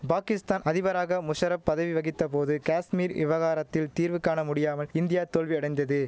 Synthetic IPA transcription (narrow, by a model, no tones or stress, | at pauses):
paːkɪst̪aːnɐðɪʋɐɾaːɣɐmʊʂɐɾɐppːɐðɐʋiʋɐɣɪt̪ːɐpoːðɯkaːsmiːɾɪ̰ʋɐɣaːɾɐt̪ːɪlt̪iːɾʋɯkːaːnɐmʊɽɪjaːmɐlɪnd̪ɪjaːt̪oːlʋiɐɽɐjnd̪ɐðɯ